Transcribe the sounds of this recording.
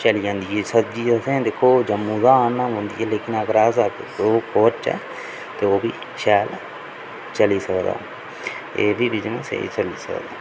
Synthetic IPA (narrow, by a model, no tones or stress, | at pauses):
t͡ʃəliːd͡ʒãːnd̪iːeːsət̪̚d͡ʒiːəsẽːd̪eːkʰːoːd͡ʒəmːũːzaːnːãːɦʊ̃ːnd̪ḭːɛːleːkɪnakɾaːsakoːkoːt͡ʃɛ̰ː | t̪eːoːbiː | ʃɛːl | t͡ʃəliːsəkd̪a̰ː | ed̪iːbɪt͡ʃnãsḛːt͡ʃəlḭːsə̰kd̪a̰ː